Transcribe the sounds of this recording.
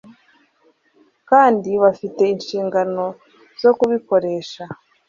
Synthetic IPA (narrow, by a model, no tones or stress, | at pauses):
kaːndiβafite̞inʃiːŋɡano̞ | z̥o̞kuβiko̞ɾe̞ːʃa